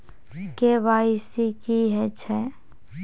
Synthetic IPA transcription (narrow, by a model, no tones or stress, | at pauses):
keʋaisikiɦɛt͡ʃʰɛ